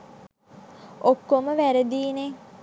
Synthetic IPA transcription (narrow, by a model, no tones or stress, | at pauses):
okːoməʋæɾəd̪iːne